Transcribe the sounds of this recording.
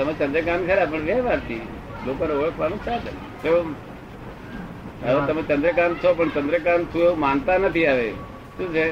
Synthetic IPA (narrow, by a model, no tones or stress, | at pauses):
t̪əmẽt͡ʃə̃nd̪ɾək̬aːmkʰəɾap̬əɳʋeːʋaɾt̪ʰiː | loːkõneoɭəkʰʋaːñũt͡ʃʰaːt̪ | t͡ʃʰeo | əʋõt̪əmẽt͡ʃə̃nd̪ɾəkaːmt͡ʃ̪ʰop̬əɳt͡ʃə̃nd̪ɾək̬aːmt̪ʰũeumaːnt̪anət̪ʰiaːʋe | ʃũːt͡ʃʰe